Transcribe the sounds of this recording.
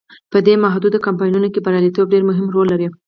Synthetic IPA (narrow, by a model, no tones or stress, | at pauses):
pəd̪emaɦd̪ud̪akampɑjnunokebaɾɑlit̪ob̚ɖeɾmʊɦɪmɾolːaɾi